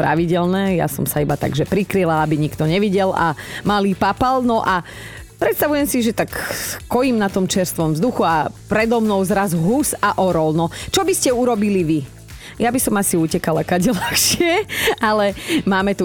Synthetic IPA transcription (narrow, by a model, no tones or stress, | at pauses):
pɾa̰ʋiɟɛlnɛːja̰sɔ̰msaibat̪a̰ɡʒɛpɾikɾilaabiɲikt̪ɔɲɛʋiɟɛla̰maliːpapalnɔʔa | pɾɛt̪st̪aʋujɛmsiʒɛt̪akkɔjimnat̪ɔmt͡ʃɛɾst̪ʋɔmvzd̪uxuapɾɛd̪ɔmnɔʊzɾazuɦusaʔɔɾɔlnɔt͡ʃɔbiscɛuɾɔbiliʋi | jabisɔmasiuːcɛkalakaɟɛlaxʃɪɛalɛmaːmɛt̪u